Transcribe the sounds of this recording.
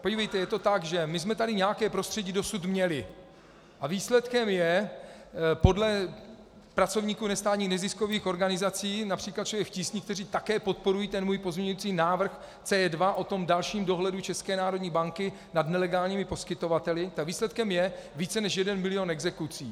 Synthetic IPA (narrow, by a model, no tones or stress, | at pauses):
poɟivɛjt̪ɛjɛt̪o̞t̪aɡʒɛmɪsmɛt̪adɪɲɛjakɛːpɾo̞st̪r̥ɛɟiːdo̞sut̪mɲɛlɪ | ʔaviːslɛt̪kɛmjɛ | po̞dlɛ | pɾat͡so̞vɲiːkuːnɛst̪aːt̪ɲiːxnɛzɪsko̞viːxo̞ɾɡanɪzat͡siːnapr̥iːklat̪̚t͡ʃlovjɛkfcisɲiːkt̪ɛriːt̪akɛːpo̞t̪̚po̞ɾujiːt̪ɛnmuːjpo̞zmɲɛɲujut͡siːnaːvr̩x | t͡sɛːɛdvaʔo̞t̪o̞mdalʃiːmdo̞ɦlɛdut͡ʃɛskɛːnaːɾo̞dɲiːbaŋkɪ | nadnɛlɛɡaːlɲiːmɪpo̞skɪt̪o̞vat̪ɛlɪt̪aɡviːslɛt̪kɛmjɛviːt͡sɛnɛʃjɛdɛnmɪlɪjo̞nɛɡzɛkut͡siː